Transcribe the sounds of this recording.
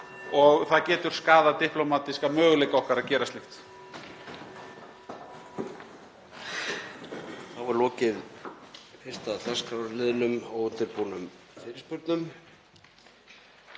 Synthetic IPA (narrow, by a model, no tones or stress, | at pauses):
ɔɣθaðcɛːt̪ʏɾ̥skaːðat̪ɪhplomaːt̪iskamœːɣʏlejkaɔhkaɾaðcɛːɾast̪lɪxt̪ | θavaɾlɔːcɪð | fɪr̥st̪aðθɛskɾaːwɾalɪːðnʏmɔwʏnt̪ɪɾpuːnʏm | sɛːɾɪspʏɾt̪nʏm